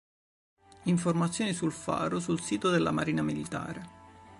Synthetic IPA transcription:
iɱformat̪sːjoːnisulfa̰ːɾosulsiːt̪od̪elːa̰maɾiːnamilit̪a̰ːɾe

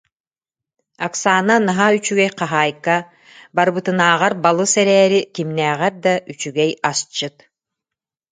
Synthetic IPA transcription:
aksaːnanaɦayt͡ʃyɡɛjqɑɦaːjka | baɾbɯt̪ɯnaːʁaɾbalˠɯsɛɾɛːɾikimnɛːʁɛɾd̪aʔyt͡ʃyɡɛjast͡ʃːɯt̪

